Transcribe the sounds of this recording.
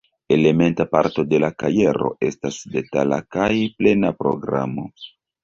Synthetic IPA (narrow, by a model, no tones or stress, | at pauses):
e̞le̞me̞ntapaɾto̞de̞lakaje̞ɾo̞̰ʔe̞stasde̞tala̰kajple̞napɾo̞̰ɡɾa̰mo̞